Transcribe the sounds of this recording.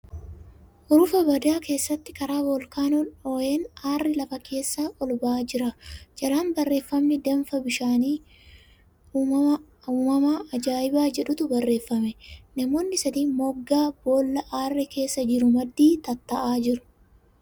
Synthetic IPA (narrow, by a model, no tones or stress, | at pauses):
ʔʊɾʊfɐbɐd̪aːke̞ːsːɐt̪ːɪkɐɾaːbɔlkaːnɔnoːeːnaːrːɪlɐfɐkʰe̞ːsːaːʔɔlbaaːd͡ʒɪɾɐd͡ʒɐɾaːnbɐrːe̞ːfːɐmnɪd̪ɛmfɐbɪʃaːniː | uːmɐ | uːmɐmaːɐd͡ʒaːjɪbaːd͡ʒɛᶑʊt̪ʊbɐrːe̞ːfːɐmɛnɐmo̞ːnːɪsɐd̪iːmɔɡːaːbo̞ːlːɐʔaːrːɪkʰe̞ːsːɐd͡ʒɪɾʊmɐd̪ːiːt̪ɐt̪ːɐʔaːd͡ʒɪɾʊ̥